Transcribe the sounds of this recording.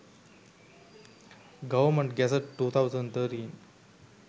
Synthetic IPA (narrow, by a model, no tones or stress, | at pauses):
ɡəʋəɾməɳʈɡɛsəɖʈːuːt̪ʰawd͡zəɳɖt̪ʰəʈiːn